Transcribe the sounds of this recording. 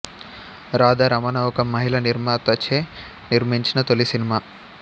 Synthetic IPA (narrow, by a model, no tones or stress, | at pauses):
ɾaːd̪ɐɾɐmɐnɐwɔkɐmɐɦilɐniɾmaːt̪ɐt͡ʃʰeː | niɾmiɲt͡ʃinɐt̪olisinimaː